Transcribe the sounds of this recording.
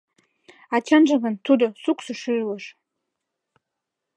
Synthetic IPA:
at͡ʃʰand͡ʒaɡantʰudasukʷsɨʂɨjlaʂ

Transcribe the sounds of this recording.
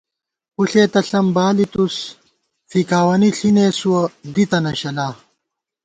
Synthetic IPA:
puɬeːt̪ɐɬɐmbaːlit̪us | fikaːwɐniɬineːsuwɐd̪it̪ɐnɐɕɐlaː

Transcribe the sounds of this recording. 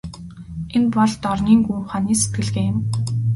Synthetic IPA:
enpɔɮt̪ɔrniːŋɡuːχaːniːse̥t̪̚ɡɘ̆ɮɣeːjʊ̆m

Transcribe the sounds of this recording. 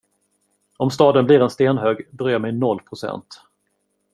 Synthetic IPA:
ɔmst̪ɑːd̪ənblɪɾɛnst̪eːnɦøːɡbœɾyːamɛjnɔlːpʰɾʊsɛ̰nt̪

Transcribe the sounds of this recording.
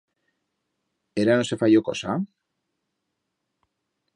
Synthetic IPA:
eɾanosefajoko̰sa

